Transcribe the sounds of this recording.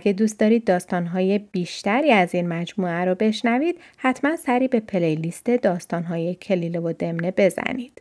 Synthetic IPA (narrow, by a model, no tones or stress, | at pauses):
ɡed̪uːst̪ɒːɾiːd̪̚ːɒːst̪ɒːnɦɒːje̞b̥iːʃt̪æɾiːæziːnmæd͡ʒmuːæɾɔbe̞ʃnæviːd̪̥ | hæt̪ʰmænsæɾiːbe̞pʰe̞lejlist̪e̞d̪ɒːst̪ɒːnɦɒːje̞cʰe̞liːlevod̪e̞mne̞be̞zæ̰niːd̪̥